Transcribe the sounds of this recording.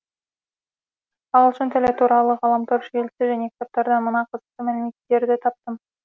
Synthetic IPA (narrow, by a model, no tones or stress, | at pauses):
ɑlˠʃənt̪ʰælet̪ʰuɾɑlˠəʁɑlˠɑmt̪ʰoɾʃelsɪʒæne̞kʲt̪ʰop̚t̪ɑɾd̪ɑnmənɑqʰəzəq̚t̪əmælɪme̞t̪ːe̞ɾd̪ɪt̪ʰɑp̚t̪əm